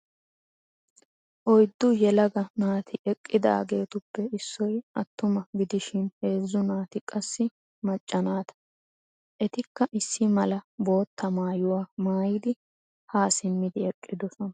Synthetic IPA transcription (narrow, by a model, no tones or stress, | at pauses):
ʔɔjd̪ːʊjɛlɐɡɐnaːt̪ɪʔɛkʼːɪd̪a̰ːɡe̞ːt̪ʊpːɛɪsːɔjɐt̪ːʊmɐɡɪd̪ɪʃɪnhe̞ːzːʊnaːt̪ɪkʼɐsːɪ | mɐt͡ʃʼːɐnaːt̪ɐ̥ | ʔɛt̪ɪkːɐʔɪsːɪmɐlɐbo̞ːt̪ʰːɐmaːjʊwaːmaːjɪd̪ɪ | haːsɪmːɪd̪ɪɛkʼːɪd̪ɔsɔnɐ